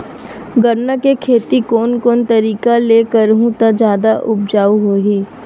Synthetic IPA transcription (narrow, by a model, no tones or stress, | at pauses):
ɡəɾnakekʰeːt̪ikoːnkoːnt̪ɐɾiːkaleːkəɾɦũt̪ad͡ʒjaːd̪aʔʊb̚d͡ʒaːuɦoːɦiː